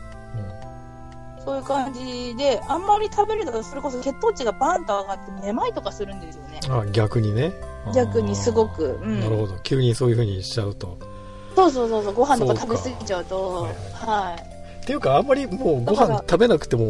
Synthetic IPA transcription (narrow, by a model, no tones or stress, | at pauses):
ɯ̟̃ɴ | so̞ːjɯ̟ːkãɲ̟d͡ʑid̪e̞ãmːaɾʲit̪ʰabe̞ɾɯ̟nat̪osoɾe̞ko̞so̞ke̞t̪ːo̞ːt͡ɕiɡabãnt̪oaɡat̪ːe̞ne̞mait̪o̞kasɨɾɯ̟̃nd̪e̞sɨjo̞ne̞aɡʲakɯ̟ɲ̟ine̞ | ɡʲakɯ̟ɲ̟isɨɡo̞kɯ̟ɯ̟̃ɴnnaɾɯ̟ho̞d̪o̞kʲɨɯːɲ̟iso̞ːjɯ̟ɸɯ̟ːɲ̟iɕt͡ɕːaɯ̟t̪o̞ | so̞ːs̬o̞ːso̞ːsoːɡo̞ɦãnt̪okaat̪abesɨɡʲit͡ɕaɯ̟t̪o̞hai | t̪e̞jɯ̟kãːmːaɾʲimoːɡo̞hãnt̪abe̞nakɯ̟̥t̪e̞mo̞